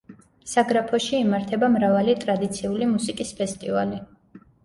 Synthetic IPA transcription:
saɡɾapʰɔʃiːmaɾt̪ʰɛbamɾavalit̪ʼɾad̪it̪sʰiulimusikʼispʰɛst̪ʼivali

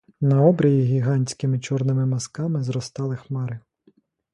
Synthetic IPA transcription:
nɐɔbɾʲɐjʲiɣʲiɦɑnʲsʲkɪmɪt͡ʃɔrnɪmɪmɐskɑmɪzɾɔst̪ɑlˠɪxmɑɾɪ

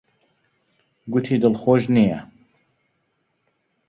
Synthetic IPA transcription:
ɡʊt̪ʰid̪ɨlxoʒnijɐ

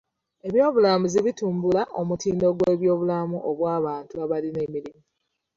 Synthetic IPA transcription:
e̞βjo̞ːβulamuziβituːmbulaʔo̞mutiːndo̞ɡwe̞ːβjo̞ːβulamuʔoβwaːβaːntuaβaline̞miɾimi

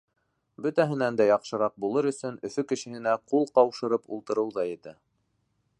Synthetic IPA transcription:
bɵ̆t̪æɦɘ̆nænd̪æjɑqʃɤ̆ɾɑq̚bulˠɤɾɵ̆sɵnɵ̆fɵkɘ̆ʃɘ̆hɘ̆næqulˠqɑwʃɤ̆ɾɤpṵlˠt̪ɤ̆ɾɤ̆wðɑjɘ̆t̪ɘ

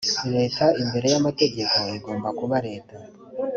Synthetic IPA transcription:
iɾe̞ːtaimbe̞ɾe̞jamate̞ɟe̞ko̞iɡo̞ːmbakuβaɾe̞ːta

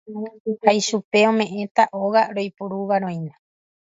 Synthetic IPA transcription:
hajʃupe̞õ̞mẽ̞ʔẽ̞t̪aʔoɣaɾo̞jpuɾuʋaɾõ̞j̃nã

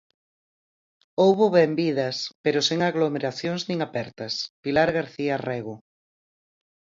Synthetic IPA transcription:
owβʊβɛmbiðɐspeɾʊseŋaɣlomeɾaθjoŋznĩŋapɛɾt̪ɐspilaɾɣaɾθiarɛɣʊ

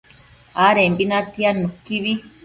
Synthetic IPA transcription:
aɾembinat̪ianukiβi

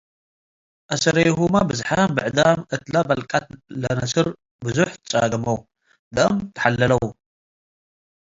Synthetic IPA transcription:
ʔasɐɾɐjhumabɨzħambɨʕd̪amʔɨt̪labɐlkʼat̪̚lɐnɐsɨɾ | bɨzuħtɨt͡sʼa̰ɡɐmɐw | d̪ɐʔɐmt̪ʰɐ̥ħalːɐlɐwu

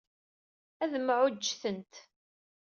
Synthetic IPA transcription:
æðəmʕʊd͡ʒːθənt̪

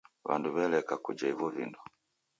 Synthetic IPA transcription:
βa̰nduβɛlɛkakud͡ʒaivɔvindɔ

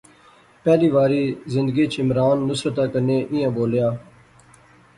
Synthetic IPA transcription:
pɛːliːʋaːɾiːzɪ̃nd̪ɡiːt͡ʃɪmɾaːnːʊsɾət̪aːkəneːʔɪjãːboːljaː

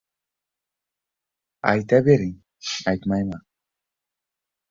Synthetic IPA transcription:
a̰jt̪abeɾiŋ | ajt̪majma

